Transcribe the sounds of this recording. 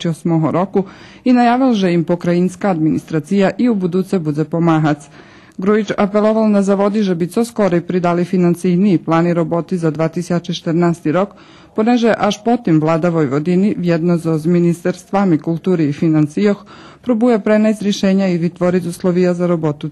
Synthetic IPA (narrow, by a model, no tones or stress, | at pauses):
t͡ʃiosmoɦo̰ɾo̞ku | inajaːʋilʒeimpokɾainskaːd̪minḭst̪ɾat̪sijaʔiubud̪uːt̪sebud̪epomaɦat̪s | ɡɾuit͡ʃapelˠoʋalnazaʋo̞d̪iʒebit̪sosko̞ɾeipɾid̪alifinansiniːplˠaːniɾobo̞t̪izad̪ʋaːt̪isat͡ʃɛt͡ʃe̥t̪əɾnaːst̪iɾo̞k | poneʒeʔaʃpot̪imvlˠaːd̪aʋojʋod̪iniʋjed̪nozozminist̪aɾst̪ʋamikulˠt̪uːɾɛifinansijox | pɾobujapɾenazɾjeʃeːɲaiʋit̪ʋoɾiuslˠoʋijazaɾobo̞t̪u